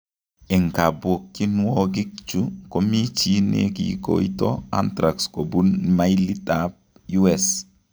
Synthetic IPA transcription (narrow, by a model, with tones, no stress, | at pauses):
ɛ˨ŋka˨bwo˨kːi˦nwɔ˦ɡɪ˦k̚t͡ʃu˦ko˦mi˦t͡ʃi˦nḛ˦kḭ˨ko̰˨ḭ˦tɔ˦a̰˦ntɾa˨ksko˨bu˦nma˦i˦li˦tap̚ | ju˦ɛs